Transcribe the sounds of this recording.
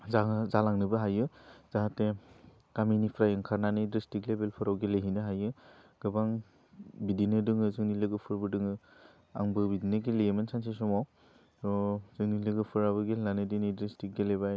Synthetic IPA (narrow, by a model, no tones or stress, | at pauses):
zazalaŋnɯbɯɦajɯz̥aɦate | kaminipʰɾajɯŋkʰaɾnanɯdɾistiklebelpʰɯɾawɡeleɦinɯɦajɯɡ̥ɯbaŋ | bidinɯdɯŋɯzɯŋnilɯɡɯpʰɯɾbɯdɯŋɯ | a̰ŋbɯbidinɯɡeleemensʰansesɔmaw | ɔzɯŋnilɯɡɯpʰɯɾaβɯɡelanɯdinɯdɾistik̚ɡelebaj